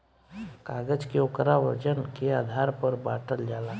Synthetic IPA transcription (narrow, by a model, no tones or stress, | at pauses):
kaːɡəd͡ʒkeokɾaʋə̰d͡ʒənkeaːd̪ʱaːɾpəɾbaːʈəld͡ʒaːla